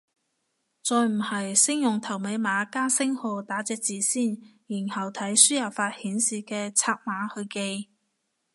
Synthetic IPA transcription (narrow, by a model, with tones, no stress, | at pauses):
t͡sɔː˨˧jm̩˨˩hɐ˨jsɪ˥ŋjʊ˨˩ŋt̪ʰɐ˨˩wme˨˧jmaː˨˧˥kaː˥nsɪ˥ŋhɔː˨˧t̪aː˨˥t͡sɛː˨˧k̚t͡siː˨siː˥˩njiː˨˩nhɐ˨˩wt̪ʰɐ˨˥jsyː˥jɐ˨˩pfaː˧t̚hiː˨˥nsiː˨kɛː˧t͡sʰaː˧k̚maː˨˧˥hɵ˧ɥke˧j